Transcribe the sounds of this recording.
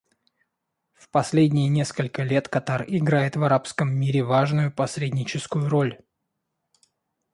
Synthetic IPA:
fpɐsʲlʲedʲnʲɪjənʲe̞skəlʲkəlʲe̞t̪kɐt̪arɪɡɾajɪt̪vɐɾapskəmːiɾʲɪvaʐnʊjʊpɐsʲɾʲedʲnʲɪt͡ɕɪskʊjʊɾo̞lʲ

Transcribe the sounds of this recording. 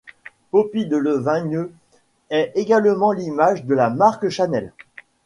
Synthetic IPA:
popid̪ələvɛ̃nø | ɛeɡalmɑ̃limaʒd̪əlamaʁkʃanɛl

